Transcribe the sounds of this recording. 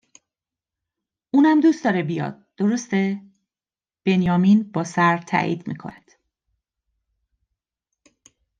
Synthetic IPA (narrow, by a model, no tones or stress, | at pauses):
ʔuːnhæmd̪uːst̪ɒːɾebijɒ̰ːd̪̥̚d̪̥o̞ɾost̪e | b̥e̞njɒːminbɒːsæɾt̪ʰæ̰ːʔḭːd̪̥mḭkʰo̰nænd̪̥